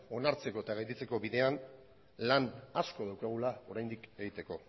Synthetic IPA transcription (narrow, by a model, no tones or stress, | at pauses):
o̞naɾt͡se̞ko̞et̪aɣajt̪it͡se̞ko̞βiðe̞an | lanasko̞ð̞awkaɣ̞ulao̞ɾajnd̪ike̞ɣit̪e̞ko̞